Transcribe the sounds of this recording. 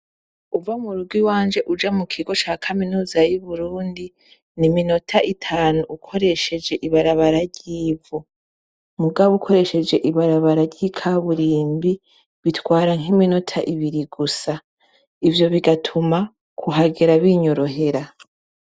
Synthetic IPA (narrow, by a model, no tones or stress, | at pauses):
uvamuɾuɾɡwiwaːnd͡ʒe̞ʔud͡ʒamukʰiɡo̞t͡ʃaːkʰaminuːzajuβuɾuːndi | nimino̞tʰaʔitʰaːnuʔukʰo̞ɾe̞ʃe̞d͡ʒe̞ʔiβaɾaβaɾaɾɟiːvo | muɡaβoukʰo̞ɾe̞ʃe̞d͡ʒe̞ʔiβaɾaβaɾaɾɟiːkʰaβuɾiːmbi | βitwaːɾaŋɦimino̞tʰaʔiβiɾiɡusa | ivjo̞βiɡatʰuma | kʰuɦaɡeɾaβiɲo̞ɾo̞ɦe̞ɾa